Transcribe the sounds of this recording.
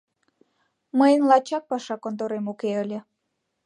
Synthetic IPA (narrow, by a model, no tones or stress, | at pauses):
məjənlɑt͡ɕɑk̚pɑʃɑkont̪̬oɾemukeəlʲe